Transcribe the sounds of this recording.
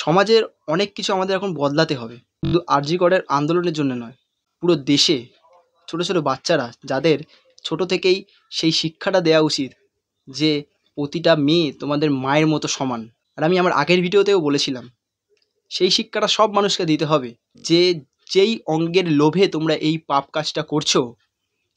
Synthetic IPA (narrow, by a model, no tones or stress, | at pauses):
ʃɔmad͡ʑeɾ | ɔnekːit͡ɕʰuamad̪eɾɛkʰonbɔd̪lat̪eɦɔbe | und̪uʔaɾd͡ʑikɔɽeɾa̰nd̪oloneɾd͡ʑonːonɔe | puɾod̪eʃe | t͡ɕʰoʈot͡ɕʰoʈobatːɕaɾad͡ʑad̪eɾ | t͡ɕʰoʈot̪ʰekej | ʃejʃikʰːaʈad̪eaut͡ɕit̪ | d͡ʑe | pɾot̪iʈamet̪omad̪eɾmaeɾmɔt̪oʃɔman | aɾamiamaɾʔa̰ɡeɾbʱiɖiot̪ewbolet͡ɕʰilam | ʃejʃikʰːaʈaʃɔbmanuʃked̪it̪eɦɔbe | d͡ʑe | d͡ʑejɔŋɡeɾlobʱet̪omɾaʔejpap̚kat͡ɕʈakoɾt͡ɕʰo